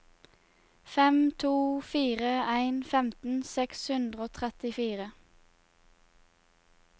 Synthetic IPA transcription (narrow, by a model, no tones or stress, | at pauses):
fɛmt̪ʰuːfiːʁəæɪnfɛmt̪n̩sɛkshʉnd̪ʁəoːt̪ʰʁɛt̪ɪfiːʁə